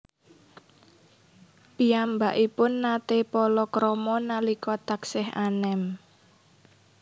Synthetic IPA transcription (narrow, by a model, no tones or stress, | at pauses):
piambaʔipʊnːat̪epɔlɔkɾɔmɔnalikɔt̪aksɪɦanɛm